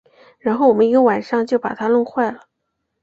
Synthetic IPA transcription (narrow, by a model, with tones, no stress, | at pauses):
ɻa˧˥nxo˥˩ʊwɔ˨˩mə˦ni˧˥ɡə˧wa˨˩nʂɑ˥˧ŋt͡ɕjo˥˩ʊpa̰˨˩t̪ʰa˥lʊ˥˧ŋxwa˥˩ɪlə˩